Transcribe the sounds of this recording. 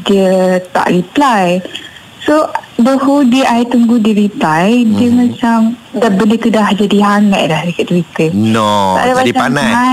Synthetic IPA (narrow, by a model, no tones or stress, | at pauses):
diət̪a̰ʔɾiplaj | sodohudiʔajt̪uŋɡudiɾiplajdəmãt͡ʃamdabəlet̪udahd͡ʒadiɦaŋa̰ʔ̚dahɾikaʔt̪uit̪ənoa̰ʔadapaaana